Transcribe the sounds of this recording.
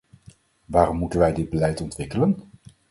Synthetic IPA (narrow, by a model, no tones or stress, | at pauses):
ʋaːrɔmːutənʋɛjdɪd̚bəlɛjtɔntʋɪkələn